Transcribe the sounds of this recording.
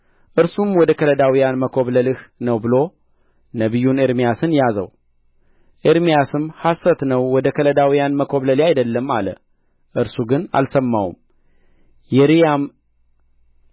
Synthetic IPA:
ʔɨɾsumwɔd̪əkʰələd̪awijanməkʰo̞βləlɨhnəwbɨlo̞ | nəβɨjːuneɾmijasɨnjazə̰w | ʔeɾmijasɨmhasət̪nəwwɔd̪əkʰələd̪awijanməkʰo̞βləlajd̪əlːəma̰lə̰ | ʔɨɾsuɡɨna̰lsəmːawṵm | jɛɾijam

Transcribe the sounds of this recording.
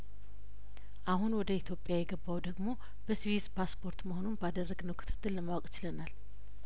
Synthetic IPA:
ʔaɦunwɔd̪əit̪ʰjo̞pʼːjajɛɡəbːawd̪əɡmo̞ | b̥əswispʰaspʰo̞ɾt̪məho̞nunbad̪ərːəɡnəwkʰɨ̥t̪ʰɨ̥t̪ʰʼːɨlːəmawɔkʼɪt͡ʃɪlənal

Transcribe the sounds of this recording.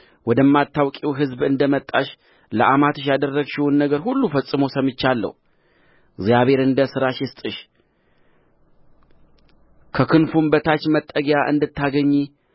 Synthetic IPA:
wɔd̪əmːat̪ːawkʼiwɦɨzbɨnd̪əmət̪ʼːaʃ | ləʔamat̪ʰɨʃ̬jad̪ərːəɡʃɪhunːəɡəɾhulːufəsʼɨmosəmɨt͡ʃːalːə̰hu | ɡzjaβe̞ɾɨnd̪əsɨɾaʃɪst̪ʼɨʃ | kʰəkʰɨnfumbət̪ʰat͡ʃːmət̪ʼːəɡejaʔɨ̰nd̪ɨt̪ːaɡəɲːi

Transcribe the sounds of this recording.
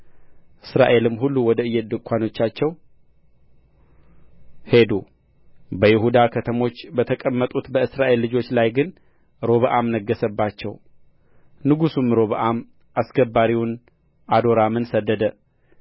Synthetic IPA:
ʔɨsɾa̰ʔe̞lɨmɦulːuwɔd̪əɨjːet̪d̪ɨkʷʼʰːano̞t͡ʃːat͡ʃːɛw | he̞d̪ṵ | bəjɪɦud̪akʰət̪ʰəmo̞t͡ʃːbət̪ʰəkʼəmːət̪ʼut̪bəɨsɾaʔe̞lːɨd͡ʒo̞t͡ʃːlajɡɨn | ɾo̞βəʔamnəɡːəsəbːat͡ʃːɛw | nɨɡusumːɾo̞βəʔam | ʔasɡəbːaɾiwn | ʔad̪o̞ɾamɨnsəd̪ːəd̪ə

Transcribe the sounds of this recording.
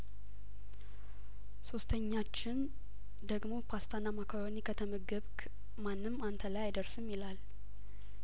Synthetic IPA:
so̞st̪ʰəɲːat͡ʃːɪn | d̪əɡmo̞pʰast̪ʰanamakʰawonikʰət̪ʰəmɨɡɨβk | manːɨmːant̪ʰəlajajd̪əɾsɨmːilal

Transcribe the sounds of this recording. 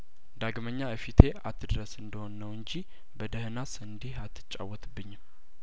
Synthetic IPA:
d̪aɡməɲːaəfit̪ʰe̞at̪ʰːɨd̪ɾəsɨnd̪əho̞nːəwɨɲd͡ʒi | bəd̪əhnasɨnd̪ihat̪ʰːɨ̥t͡ʃʼːa̰wːət̪ʰɨbːɨɲːm

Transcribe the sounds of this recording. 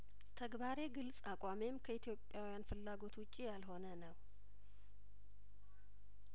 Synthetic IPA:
t̪ʰəɡbaɾe̞ɡɨlsʼakʼame̞mkʰəit̪ʰjo̞pʼːjawijanfɨlːaɡo̞t̪wʊt͡ʃʼːijalɦo̞nənəw

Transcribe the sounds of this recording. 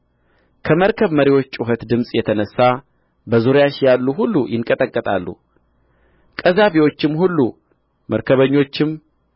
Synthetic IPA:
kʰəməɾkʰəβməɾiwo̞t͡ʃːʼuɦət̪d̪ɨmsʼjɛt̪ʰənəsːa | bəzuɾjaʃjalːuhulːujɪŋkʼət̪ʼəkʼːət̪ʼa̰lːṵ | kʼəzaβiwo̞t͡ʃːɪmhulːu | mʔəɾkʰəβəɲːo̞t͡ʃːɪm

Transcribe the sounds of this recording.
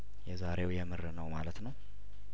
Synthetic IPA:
jɛzaɾe̞wjɛmɨrɨnəwmalət̪nəw

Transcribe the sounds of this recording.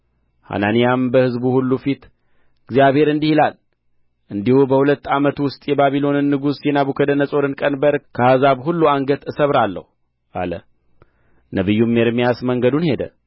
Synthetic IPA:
ha̰nanijambəhɨzbuhulːufit̪ | ɨɡzijaβhe̞ɾɨnd̪ihilal | ʔɨnd̪ihubəhulət̪ːamət̪wʊst̪ʼjɛbaβilo̞nɨnːɨɡusjɛnaβukʰəd̪ənəsʼo̞ɾɨnkʼənbəɾkʰəhazaβhulːuaŋɡət̪ɨsəβɾalːə̰hu | ʔa̰lə | nəβɨjːumːeɾmijasməŋɡəd̪unhe̞d̪ə̰

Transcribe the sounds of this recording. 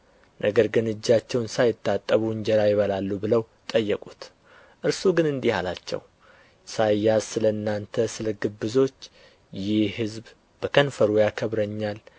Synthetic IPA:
nʔəɡəɾɡɨnɨd͡ʒːat͡ʃːɛwnsajɪt̪ʰːat̪ʼːəβuwɨɲd͡ʒɛɾajɪβəlalːubɨləw | t̪ʼəjːɛkʼut̪ | ʔɨɾsuɡɨnɨnd̪ihalat͡ʃːɛ̰w | sajːasɨləɨnːant̪ʰəsɨləɡɨbːɨzo̞t͡ʃː | jɪhhɨzb | bəkʰənfəɾujakʰəβɾəɲːal

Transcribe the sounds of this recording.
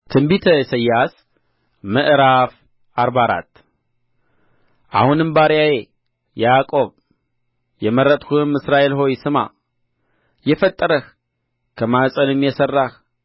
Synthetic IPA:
t̪ʰɨmbit̪ʰəsəjːas | mɨʔɾaf | aɾbaɾa̰t̪ː | ʔa̰hunɨmbaɾjaje | jakʼo̞β | jɛməɾət̪ʼhuɨmɨsɾaʔe̞lɦo̞jsɨma̰ | jɛfət̪ʼːəɾəh | kʰəmasʼəlɨmjɛsərːah

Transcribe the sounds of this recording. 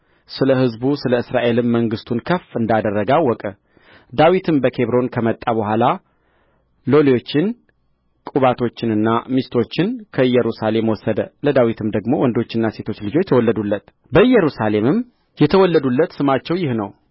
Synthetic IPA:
sɨləɦɨzbusɨləɨsɾaʔe̞lɨmːəŋɡɨst̪ʰunkʰəfɨnd̪ad̪ərːəɡawːɔkʼə | d̪awit̪ʰɨmbəkʰe̞βɾo̞nkʰəmət̪ʼːaβəhʷala | lo̞lijo̞t͡ʃːɪn | kʼuβat̪ʰo̞t͡ʃːɪnɨnːamist̪ʰo̞t͡ʃːɪnkʰəjːɛɾusale̞mwɔsːəd̪ələd̪awit̪ʰɨmd̪əɡmo̞wɔnd̪ot͡ʃːɪnːase̞t̪ʰo̞t͡ʃːlɨd͡ʒo̞t͡ʃːjɛt̪ʰəwɔlːəd̪ulːət̪ | bəjːɛɾusale̞mɨm | jɛt̪ʰəwɔlːəd̪ulːət̪sɨmat͡ʃːɛwjɪhnəw

